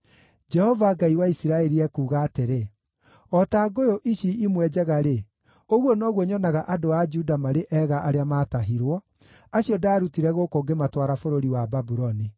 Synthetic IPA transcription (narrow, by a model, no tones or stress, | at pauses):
d͡ʒɛhɔvaɡaiwaisiɾaɛɾiɛkuːɣaːteɾe | ɔtaːɡojoʔiɕiimwɛd͡ʒɛɣaɾe | oɣwɔnɔɣwɔɲɔnaɣaʔadoad͡ʒudamaɾeʔɛɣaʔaɾeamaːtaɦiɾwɔ | aɕiɔdaːɾutiɾɛɣokoɡematwaɾafoɾoɾiwababuɾɔni